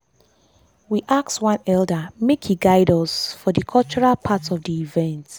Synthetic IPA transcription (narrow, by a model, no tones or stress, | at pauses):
wiʔak̚tswʌ̃nɛlˠdəmekhiɡaɪdɔsfɔdəkʰɔlˠt͡ʃɔɹalpʰatɔvdiːvɛ̃nt